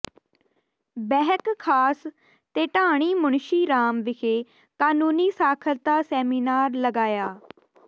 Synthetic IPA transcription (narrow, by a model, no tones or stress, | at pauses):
bɛːɦəkkʰːaːs | t̪eːʈaːɽ̃iːmʊɳʃiːɾaːmʋɪkʰeː | kaːnũːniːsaːkʰəlt̪aːsɛːmiːnaːɾləɡaːjaː